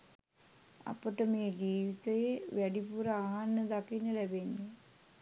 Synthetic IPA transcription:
a̰pəʈəmeːd͡ʒiːʋit̪əjeʋæɖipuɾɐaɦanːəd̪akinəlæbeɲːə

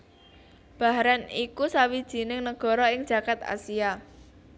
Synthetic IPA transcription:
b̥a̤ɦɾanikusawid̥ʒ̥i̤nɪŋnəɡ̥ɔ̤ɾɔɪŋd̥ʒ̥ä̤kat̪a̰sia

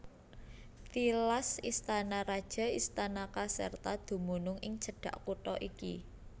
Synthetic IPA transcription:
t̪ilasist̪anaɾad̥ʒ̥a̤ist̪anakasə̰rt̪ad̪̥ṳmunʊŋʔɪŋt͡ʃə̤ɖ̥ä̤ʔkuʈɔʔikḭ

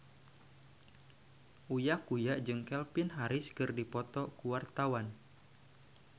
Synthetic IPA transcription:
ʔujakujaʔd͡ʒɨŋkɛlpɪnɦaɾɪskɨrdipɔt̪ɔkuwart̪awan

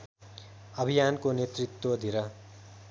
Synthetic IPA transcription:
ʌbʱijankonet̪rit̪wʌd̪ʱiɾʌ

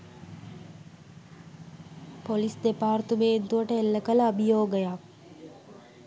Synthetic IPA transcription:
polisd̪epaːrt̪umeːnt̪uʋəʈəelːəkələɐbijoːɡəjak

